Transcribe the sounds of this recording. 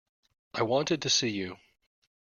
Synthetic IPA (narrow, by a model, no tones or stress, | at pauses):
ʔaɪwɑ̃ntɨd̚tʰɨsijʉ